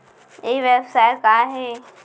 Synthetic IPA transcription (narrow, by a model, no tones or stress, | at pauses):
eiʋebsaːɪkaːɦeː